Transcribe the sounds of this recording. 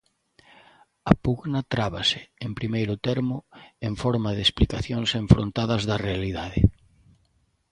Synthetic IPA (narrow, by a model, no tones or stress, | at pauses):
ɐpuɣnɐt̪ɾaβasɪempɾimejɾʊt̪ɛɾmʊeɱfɔɾmaðesplikaθjoŋseɱfɾõ̰nt̪aðɐzðɐrealiðaðɪ̰